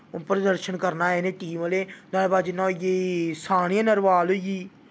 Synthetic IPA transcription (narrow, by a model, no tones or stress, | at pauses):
pɾəd̪əɾʃənkəɾnaːɛneːʈiːməleːnaːebaːd͡ʒnãːjeːsaːɽ̃iãnəɾʋaːloɡiː